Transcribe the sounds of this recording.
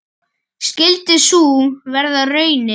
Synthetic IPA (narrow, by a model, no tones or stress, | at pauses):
scɪlt̪ɪsuːvɛɾðaðrœːɥnɪ